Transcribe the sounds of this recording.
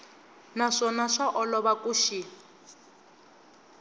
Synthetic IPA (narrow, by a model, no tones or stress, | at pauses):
naʂɔnaʂaʔɔlɔβakʼuʃi